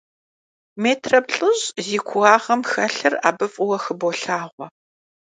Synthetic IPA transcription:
meːtʰrɐbɬʼɨʑziːkʷʰʊɣaːʁɐmxɐɬɨra̰ːbɨfʼʊwɐxɨboɬaːʁʷɔ

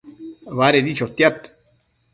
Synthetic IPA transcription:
βaɾed̪it͡ʃot̪ːjat̪

